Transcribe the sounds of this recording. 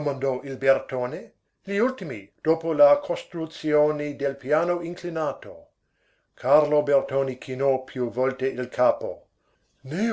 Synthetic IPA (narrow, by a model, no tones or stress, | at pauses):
omand̪ɔʔilbert̪oːne | liult̪imid̪̥oːpolakʰost̪ɾut̪sjoːnid̪elpjaːnoʔiŋklinaːt̪o̰ | kʰarlobert̪oːnikʰinɔpʰjuvɔlt̪eʔilkʰaːpo̰ | ne